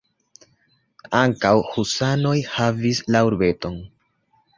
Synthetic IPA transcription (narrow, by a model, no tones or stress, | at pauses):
aŋkawhusano̞jhavislauɾbe̞to̞n